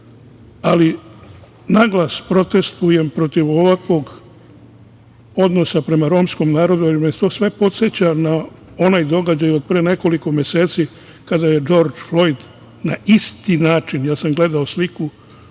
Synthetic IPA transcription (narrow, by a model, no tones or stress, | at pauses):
ali | naɡlˠaspɾo̞t̪e̞st̪uje̞mpɾo̞t̪iʋoʋakʋo̞ɡ | o̞d̪no̞sapɾe̞maɾo̞ːmsko̞mnaːɾo̞d̪uiɾmeet̪o̞ːsʋe̞po̞t̪set͡ɕana | o̞najd̪o̞ɡad͡ʑajuod̪̚pɾene̞ko̞likomje̞se̞ːt̪si | kad̪aje̞d͡ʒo̞ːɾd͡ʒflo̞jd̪ | naist̪inaːt͡ʃinjaːsamɡle̞d̪aosliku